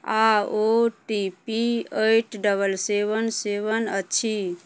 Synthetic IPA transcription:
aoʈipieʈɖəbʱəlsebənsebənəːt͡ʃʰi

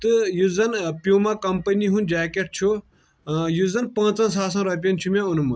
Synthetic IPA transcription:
t̪ɨjuzɐnpjuːmaːkɐmpɐniɦund͡ʒaːkeʈ̚t͡ʃʰu | juzɐnpɐ̃ːt͡sɐ̃ns̬aːs̬ɐ̃ːɾɐp̬ʲiɐnt͡ʃʰumẽunumɐ

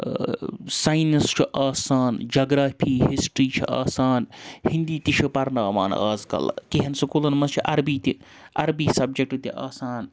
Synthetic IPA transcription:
saːjnist͡ʃʰiʔaːsaːnd͡ʒɐːɡɾaːpʰiːɦisʈɾiːt͡ʃʰḭʔa̰ːsaːnhind̪iːt̪iʃʰipɐɾnaːma̰ːna̰ːzkɐ̰lkeɦɐnsɐkolɐnmɐst͡ʃʰiʔɐɾbiːt̪i | ɐɾbiːsɐb̚d͡ʒek̚ʈɨt̪iʔaːsaːn

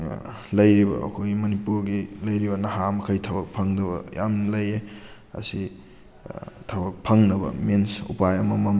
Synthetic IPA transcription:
lɐjɾibɐ̰ːkʰojmɐnipuɾɡilɐjɾibɐnɐɦamɐkʰɐjtʰɐbɐk̚pʰaŋdɐbɐ̰ja̰mlɐje | ɐ̰si | tʰɐbɐk̚pʰaŋnɐbɐ̰mensṵpajɐmɐmɐm

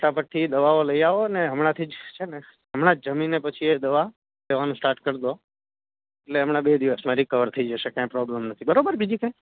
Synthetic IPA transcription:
ʈapəɾt̪ʰid̪əʋaoləiaʋoəneɦəmɳat̪ʰid͡ʒt͡ʃʰene | ɦəmɳ̃ad͡ʒəminːepət͡ʃʰied̪əʋa | leʋanũsʈaɾʈkəɾd̪o | eʈleɦəmɳabed̪iʋəsmaɾikʰəʋəɾt̪ʰəid͡ʒəʃekãj̃pɾɔbləmnət̪ʰibəɾobəɾbid͡ʒikãj̃

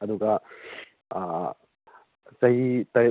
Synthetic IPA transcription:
ɐd̪uɡɐ | sɐɦit̪ɐɾ

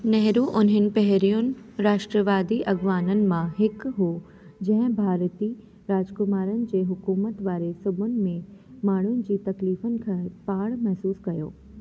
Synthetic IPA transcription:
nɛɦɾuʔʊnɦənɪ̆pɛɦɾijʊnɪ̆ɾaːʃʈɾəʋaːd̪iʔɐɡʋaːnənɪ̆mãɦɪkɦoː | d͡ʑɐ̃ɦɪ̃bʱaːɾt̪i | ɾaːd͡ʑkʊmaːɾənɪ̆d͡ʑeːɦʊkuːmət̪ʋaːɾesʊbʱʊnɪ̆mẽmaːɳ̤ʊnɪ̆d͡ʑiːt̪ɐkliːfənɪ̆kʰãːpaːɽ̃mɛɦsuːskɐjo̰ː

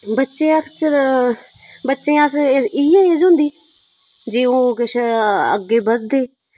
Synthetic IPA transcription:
bətːʃeːəkt͡ʃəɾ | bətːʃẽːasiːẽːed͡ʒʊ̃ːnd̪iː | d͡ʒiːoːkɪʃə̰ɡːeːbədd̪eː

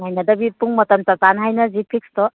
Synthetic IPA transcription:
ɦajnɐd̪ɐbit̪uŋmɔt̪ɐmtatanɦajnɐzipʰikst̪ɔ

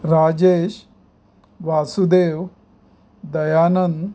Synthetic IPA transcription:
ɾaːd͡ʑeːɕ | ʋasud̪eːʋ | d̪əjaːnənd̪

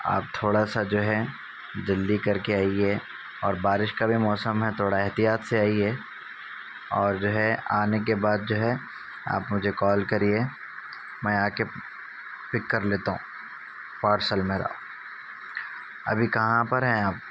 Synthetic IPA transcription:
a̰ːp̚t̪ʰoːɽasad͡ʒoːɦɛ | d͡ʒɪld̪ikɐɾkeaːiɛ | ɔːɾbaːɾɪʃkabʱimɔːsəmɦɛt̪ʰoːɽaɛɦt̪ijaːt̪seaːiɦɛ | ɔːɾd͡ʒoːɦɛaːnek̬ebaːd̪̚d͡ʒoːɦɛ | a̰ːpmʊd͡ʒʱekɔːlkɐɾie | mɛ̃ːaːke | pɪkːəɾleːt̪aɦũ | paːʈsəlmẽːɾa̰o | ɐ̰bʱikɐɦãpɐɾɦɛ̃aːp̚

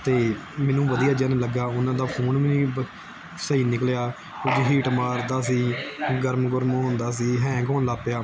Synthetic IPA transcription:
t̪eː | mɛ̃ːnũːʋəd̪ijaːd͡ʒaːnːləɡaːʊnãːd̪aːpʰuːnmɛnĩː | səiːnɪkljaː | ʊd͡ʒiɦiːʈmaːɾd̪aːs̬iːɡəɾmɡʊɾmɦʊ̃ːnd̪aːs̬iːɦɛ̃ːɡɔːnlaːpjaː

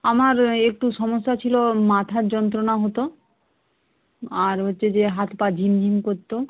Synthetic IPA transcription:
amaɾek̚ʈuʃɔmoʃːat͡ɕʰilomat̪ʰaɾd͡ʑɔnt̪̬ɾonaɦot̪o | aɾɦotːɕʰed͡ʑeɦat̪pad͡ʑʱimd̪ʱimkoɾt̪ːo

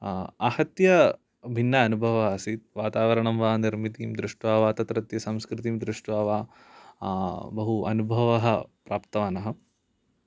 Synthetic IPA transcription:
aːhɐt̪jɐ | bʱinːɐːnubʱɐʋɐɐsit̪̚ʋaːt̪aːʋɐɾɐɳɐmʋaːniɾmit̪iːmd̪ɾɪʂʈʋaːʋaːt̪ɐt̪ɾɐt̪jɐsɐmskɾɪt̪iːmd̪ɾuʂʈʋaːʋaː | bɐɦuɐ̰nubʱɐʋɐɦɐpɾʔaːpt̪ɐʋaːnɐɦɐ

